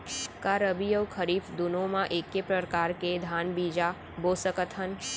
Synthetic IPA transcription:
kaɾəbijəʋkʰəɾiːfd̪ʊnõmãʔeːkːepɾəɾkaːɾked̪ʱaːnbiːd͡ʒa | boːsəkət̪ʰən

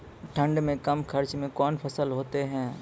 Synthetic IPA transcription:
ʈʰɐ̃ɳɖmẽkɐmkʰɐɾt͡ʃmẽkɔːnpʰɐsəlɦoːt̪eɦɛ̃ː

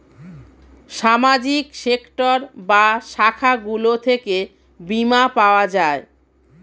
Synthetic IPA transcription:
ʃamad͡ʑikʃekʈoɾbaʃakʰaɡulot̪ʰeke | bimapaoad͡ʑae

